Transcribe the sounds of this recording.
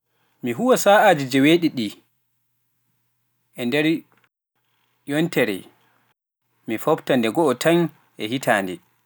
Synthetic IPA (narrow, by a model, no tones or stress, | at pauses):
miɦuwasaːʔaːd͡ʒid͡ʒɛweɗiɗi | ʔɛndɛɾ | jɔntɛɾɛ̰ | mifobtandɛɡɔːtʰaɲ | ʔɛɦitʰaːndɛ̰